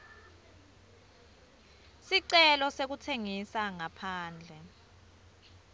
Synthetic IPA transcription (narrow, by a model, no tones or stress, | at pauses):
siǀɛlɔsek̬utʰeŋisaŋapʰaːnd͡ɮʱɛ